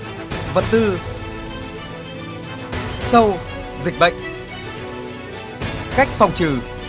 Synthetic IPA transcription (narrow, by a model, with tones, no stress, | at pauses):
və˨˩t̚t̪ɨ˧ | sə˧w | zï˨˩k̚ɓə̰˧˨jŋ̟ | ka˦˥jk̟̚fɔ˨˩wŋ͡mt͡ɕɨː˨˩